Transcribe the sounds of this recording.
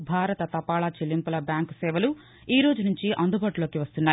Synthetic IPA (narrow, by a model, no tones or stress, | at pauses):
bʱaːɾɐt̪ɐt̪ɐpaːɭat͡ʃelːimpulɐbjaːŋksɛːʋɐlu | iːɾo̞ːd͡ʒunuɲt͡ʃiʔɐnd̪ubaːʈulo̞ːkiʋɐst̪unːaːji